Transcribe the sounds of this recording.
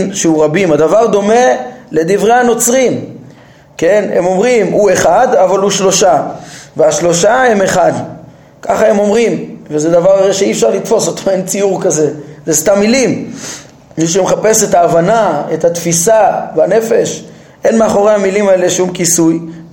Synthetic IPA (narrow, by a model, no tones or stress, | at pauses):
mʃeuʁabimad̪avaʁd̪o̞me̞le̞d̪ivʁejano̞t͡sʁim | ke̞ne̞̰mo̞mʁimue̞χad̪avaluʃlo̞ʃaveaʃlo̞ʃaeme̞χad̪ | kʰaχae̞mo̞mʁimvezed̪avaʁaʁeʃeiːfʃaʁlit̪fo̞sot̪oe̞nt͡siuʁkaze̞zest̪amːilim | miʃemeχape̞se̞taːvanaet̪hat̪fisaveane̞fe̞ʃ | ʔe̞nmeaχo̞ʁe̞jhamilimaeleʃumkisuj